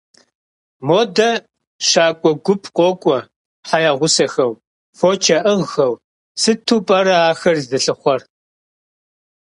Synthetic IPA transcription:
moːdɐ | ʃaːkʷʼɔɡʷʊpʰqʷʼɔkʷʼɔ | ħajaʁʷʊsɐxɐw | foːt͡ʃʰɐʔɨʁxɐw | sɨtʰuːpʼɐɾɐaːxɐrzdɨɬɨχʷɔr

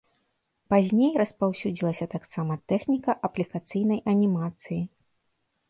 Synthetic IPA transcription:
pazʲnʲejrɐspawsʲud͡zʲilˠɐsʲɐt̪aksamɐt̪ɛxnʲikɐʔɐplʲikat̪sɨjnɐjɐnʲimat̪sɨji

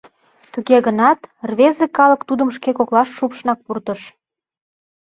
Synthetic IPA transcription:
t̪uɣeɣənɑt̪rβezekɑləkt̪ud̪ə̆mʃ̬kekoklɑʃʃupʃənɑk̚purt̪ə̆ʃ

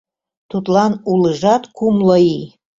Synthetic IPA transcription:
t̪ʰut̪lɑnulɨʐɑt̪kʰumlˠəi

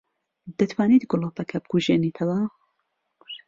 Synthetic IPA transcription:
d̪ɐt̪ʰwaːniːt̪ɡʊlˠoːpɐkʰɐbɨɡuʒeːniːt̪ʰɐwɐ

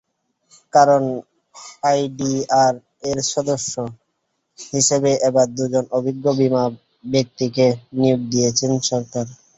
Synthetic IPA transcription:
kaɾon | ajɖiaɾ | eɾʃɔd̪oʃːo | hiʃebeʔebaɾd̪ud͡ʑonobʱiɡːobima | bek̚t̪ikenijoɡ̚d̪ijet͡ɕʰenʃɔɾkaɾ

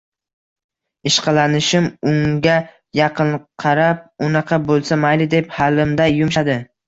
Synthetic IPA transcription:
ɪʃqʰɑlanɪʃɪmʊŋɡʲa | jɑqɨnqʰɑɾap̚ʊnɑqʰɑbolˠsamajlɪd̪e̞phalːɪmd̪ajʊmʃad̪ɪ

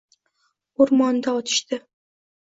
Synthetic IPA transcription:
oɾmɒnd̪aɒt̪ʰɪ̥ʃt̪ɪ

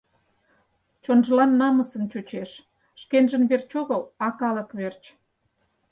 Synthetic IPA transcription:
t͡ɕonʒəlɑnːɑməsə̆nt͡ɕut͡ɕeʃ | ʃkenʒə̆nβert͡ɕoɣəlɑkɑlə̆kβert͡ɕ

